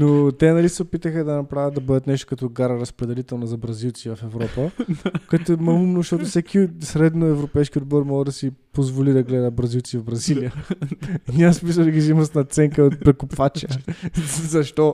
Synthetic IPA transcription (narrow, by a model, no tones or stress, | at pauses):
not̪ɛnɐlisɛopit̪əxəd̪ɐnɐpɾavʲət̪d̪ɐbɤd̪ət̪nɛʃt̪ʊ̥kɐt̪ɔɡaɾəɾɐspɾɛd̪ɛlit̪ɛlˠnɐzɐbɾɐzilˠt̪sivɐfɛvɾɔpəkt̪ʊmɐumnoʃt̪ɔt̪ʊfsɛkʰisɾɛd̪noɛvɾopɛjskʲiod̪̚bɔɾmɔlˠəd̪ɐsipozvolid̪ɐɡlɛd̪əbɾɐzilˠt̪sivvbɾɐzilijə | nʲasmis̬əlˠd̪ɐɡizimosnɐt̪sɛŋkəot̪̚pɾɛkopvat͡ʃə | zɐʃt̪ɔ